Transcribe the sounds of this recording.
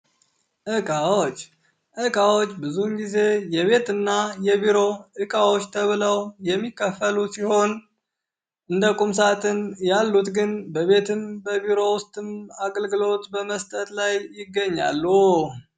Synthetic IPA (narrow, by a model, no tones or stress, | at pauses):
ʔɨkʼawot͡ʃː | ʔɨkʼawot͡ʃːbɨzunɡize̞jɛβe̞t̪ɨnːajɛβiɾo̞ʔɨkʼawo̞t͡ʃːt̪ʰəβɨləwjɛmːikːəfəlusiho̞n | ʔɨnd̪əkʼumsat̪ʼɨnjalːut̪ɡɨnbəβe̞t̪ʰɨmbəβiɾo̞wʊst̪ʼɨmaɡəlɡɨlo̞t̪bəməst̪ʼət̪lajːɪɡːəɲːa̰lːu